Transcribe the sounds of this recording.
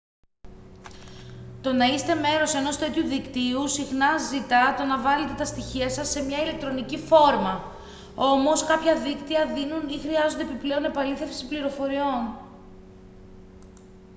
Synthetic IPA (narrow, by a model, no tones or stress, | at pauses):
t̪o̞nɐist̪e̞me̞ɾo̞se̞no̞st̪e̞t̪çuðikt̪iusixnɐzit̪ɐt̪o̞nɐvɐle̞t̪e̞t̪ɐst̪içiɐsɐsːe̞mɲɐile̞k̚t̪ɾo̞nicifo̞ɾmɐ | o̞mo̞skɐpçɐðikt̪iɐðinunixɾiɐzo̞nd̪eepiple̞one̞pɐliθe̞fsipliɾo̞fo̞ɾio̞n